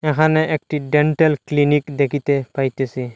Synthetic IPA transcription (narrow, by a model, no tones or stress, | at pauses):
ɛkʰanɛʔek̚ʈiɖɛɳʈɛlklinikd̪ekʰit̪ɛpajt̪ɛsi